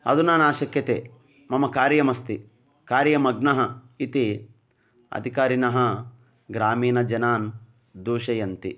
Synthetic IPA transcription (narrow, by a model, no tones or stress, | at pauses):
ɐ̰d̪unaːnaːʃɐkjɐt̪eː | mɐmɐkaːɾjɐmɐst̪i | kaːɾjɐmɐɡnɐɦɐ | it̪i | ɐ̰d̪ʱikaːɾinɐɦɐ | ɡɾaːmiːnɐd͡ʒɐnaːn | d̪uːʃɐjɐnt̪i